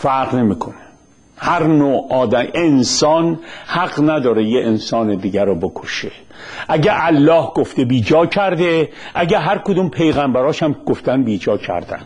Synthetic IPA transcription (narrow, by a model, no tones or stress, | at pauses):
fæɾɣne̞miːkʰo̞ne | hæɾnoːɒːd̪æmʔensɒːnhæɣnæd̪ɒːɾejeʔensɒːned̪iːɟæɾɔbo̞kʰoʃe | ʔæɟæʔælːɒːhɡoft̪ebiːd͡ʒɒːcʰæɾd̪e | ʔæɟæɦæɾkod̪umpʰe̞jɣæmbæɾɒːʃæmɡ̥oft̪ænbiːd͡ʒɒːcʰæ̰ɾd̪æ̰nd̪̥